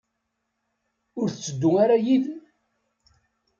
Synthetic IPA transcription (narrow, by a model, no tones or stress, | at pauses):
ʊɾθət͡sːəd̪ːʊaɾajið